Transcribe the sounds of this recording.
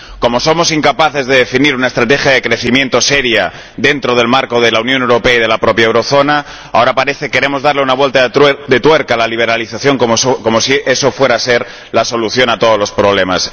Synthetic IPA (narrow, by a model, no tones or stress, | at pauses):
ko̞moso̞mo̞siŋkapaθe̞zðe̞ðe̞finiɾunaest̪ɾat̪e̞xjaðekɾe̞θimje̞nt̪o̞seɾja | ðe̞nt̪ɾoð̞e̞lmaɾko̞ð̞e̞launjone̞wɾo̞peaiðelapɾo̞pjaewɾo̞θo̞na | ao̞ɾapaɾe̞θe̞ke̞ɾemo̞zðaɾleunaβwelt̪ad̪e̞t̪we̞ɾkalaliβ̞e̞ɾaliθaθjo̞ŋkkomosieso̞fwe̞ɾase̞ɾ | laso̞luθjo̞nat̪o̞ðolo̞spɾo̞β̞le̞mas